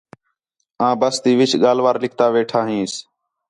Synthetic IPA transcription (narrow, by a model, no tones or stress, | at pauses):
ãːbəst̪iːʋɪt͡ʃɠaːlʋaːɾlɪk̚ʰt̪aːʋeːʈʰaːɦĩːs